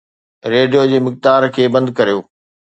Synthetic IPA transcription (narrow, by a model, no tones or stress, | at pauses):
ɾeːɖijod͡ʑeːmɪk̚d̪aːɾkʰeːbɐ̃nd̪kɐɾijoː